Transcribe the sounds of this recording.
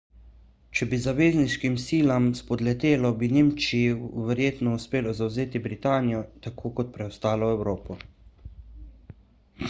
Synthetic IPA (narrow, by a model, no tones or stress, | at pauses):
t͡ʃɛbizaʋeːzniʃkimsiːlamspɔd̪lɛt̪eːlɔbineːmt͡ʃiiʋɛɾjeːt̪nɔuspeːlɔzawzeːt̪ibɾit̪aːnijɔt̪akʰoːkɔt̪̚pɾɛɔst̪aːlɔɛwɾoːpɔ